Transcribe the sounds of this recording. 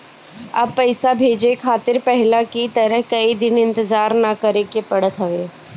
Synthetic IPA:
ɐ̰b̚pːɐɪsabʱeːd͡ʒekʰaːt̪ɪɾpɛɦɪlakit̪ɐɾəɦkɐid̪ɪnɪ̃nt̪ɪzaːɾnakɐɾekepɐɽət̪ɦɐʋeː

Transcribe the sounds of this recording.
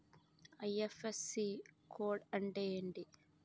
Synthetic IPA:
ɐjefesikʰoːɖɐɳɖeɳɖi

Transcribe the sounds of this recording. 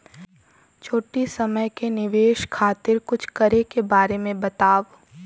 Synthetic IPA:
t͡ʃʰoːʈisɐməjkenɪʋeːʃkʰaːt̪ɪɾkʊt͡ʃʰkɐɾekebaːɾemẽbɐt̪aːʋ

